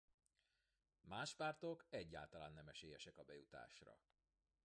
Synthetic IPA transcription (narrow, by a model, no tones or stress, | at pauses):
maːʃpaːrt̪o̞kɛɟːa̰ːlt̪ɒlaːnːɛmɛʃeːjɛʃɛkɒbɛjut̪a̰ːʃrɒ̰